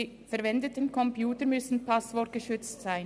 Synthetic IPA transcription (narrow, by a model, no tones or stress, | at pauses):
fɛɾvɛndətənkʰɔmpjuːtəɾmʏsn̩pʰasvɔɐt̚ɡ̥əʃʏt͡stz̥aɪn